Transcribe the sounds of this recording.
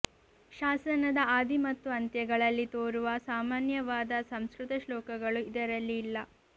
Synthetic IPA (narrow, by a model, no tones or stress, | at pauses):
ʃaːsɐnɐd̪ɐaːd̪imɐt̪ːuɐnt̪jɐɡɐɭɐlːit̪oːɾuʋɐsaːmaːnjɐʋaːd̪ɐsɐmskɾut̪ɐʃlɔːkɐɡɐɭuid̪ɐɾɐlːiːlːɐ